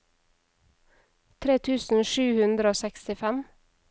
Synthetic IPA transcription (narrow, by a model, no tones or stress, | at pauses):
t̪ʰɾeːt̪ʰʉːsn̩ʃʉːhʉnd̪ɾəoːsɛkst̪ɪfɛm